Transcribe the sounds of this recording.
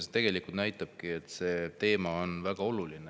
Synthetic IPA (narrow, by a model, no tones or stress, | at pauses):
set̪e̞ɡ̥e̞likult̪næjt̪ːˑɑb̥̚kiet̪ːse̞ːt̪e̞ːmɑonvæɡ̥ɑo̞luline